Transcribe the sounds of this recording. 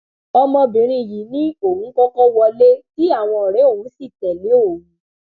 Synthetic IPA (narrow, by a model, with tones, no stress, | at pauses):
ɔ˧mɔ̃˧bĩ˨ɾ̃ĩ˧˨ji˨˦nĩ˦o˨hũ˨˦kɔ˦kɔ̃˦wɔ˧le˦ti˦a˦˨w̃ɔ̃˧ɔ˨ɾɛ˨˦o˦˨ũ˨˦si˦˨tɛ˨le˨˦o˦˨ũ˨